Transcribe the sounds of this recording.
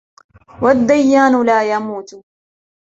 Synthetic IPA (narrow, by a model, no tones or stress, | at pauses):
wad̪ːajːaːnʊlaːjamuːt̪